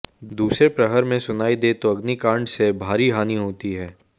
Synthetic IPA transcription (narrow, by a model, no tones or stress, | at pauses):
d̪uːsɾepɾəɦəɾmẽsʊnaːid̪eːt̪oɐɡnikãːɳɖsebʱaːɾiɦaːniɦoːt̪iɦɛː